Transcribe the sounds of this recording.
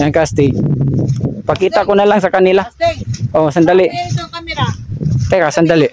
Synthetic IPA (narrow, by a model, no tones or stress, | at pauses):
aŋkast̪i | pakit̪akunalaŋsakanilahɔsəndaliʔ | t̪ɛkasəndaliʔ